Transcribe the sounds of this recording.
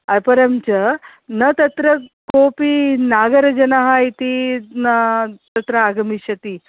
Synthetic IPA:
ɐpɐɾəmt͡ɕə | nət̪ɐt̪ɾəkopinaɡəɾd͡ʒɐnaɦait̪inat̪ɐt̪ɾəaɡɐmiɕɐt̪i

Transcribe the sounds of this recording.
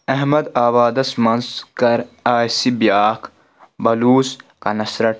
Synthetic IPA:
ɐɦmɐd̪aːbaːd̪ɐsmɐnskɐɾaːjsibjaːkʰ | bɐluːskɐnɐsɾɐʈ

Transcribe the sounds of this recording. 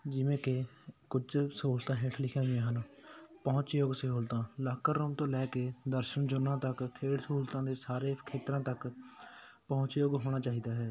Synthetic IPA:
d͡ʒɪʋẽːkekʊd͡ʒsuːlt̪ãːɦɪːʈʰlɪkʰãːijãːɦənpəʊ̃t͡ʃjoːɡsəɦuːlt̪ãːlaːkəɾoːmt̪õːlɛːkeːd̪əɾʃənd͡ʒʊnːãːt̪əkkʰːeːʈsəɦuːlt̪ãːd̪eːsaːɾeːkʰeːt̪ɾãːt̪ək | pəʊ̃t͡ʃjoːɡɦoːɽ̃aːt͡ʃaːɦiːd̪aːɦɛː

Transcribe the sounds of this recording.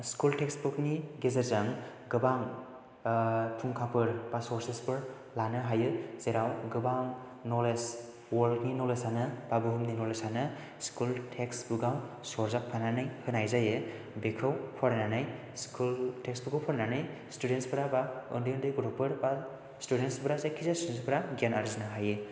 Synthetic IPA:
skulteksbɯkniɡezeɾzaŋɡɯbaŋ | tʰuŋkʰapɯɾbasɔɾsespɯɾ | lanɯɦajɯzeɾawɡɯbaŋ | noles | wɔɾlkninɔlesanɯbabɯɦɯmninɔlesanɯ | skultʰeksbuɡaw | sɔɾzak̚pʰananɯjhɯnajzajɯ | bekʰɯwpʰɔɾnanɯj | skultʰeksbukʰɯwpʰɔɾnanɯjstudenspɯɾabaɯndindɯɡuɾɔpɯɾba | studenspɯɾazajkʰizastudenspɯɾaɡanaɾznɯɦajɯ

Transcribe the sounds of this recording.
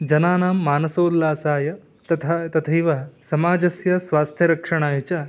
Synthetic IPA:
d͡ʒɐnaːnaːmːaːnɐsoːd̪laːsaːjɐ | t̪ɐt̪ʰat̪ɐt̪ʰɐjʋɐsɐmaːd͡ʒɐsjɐsʋaːst̪ʰjɐɾɐkʂɐɳ̃aːjɐt͡ʃa

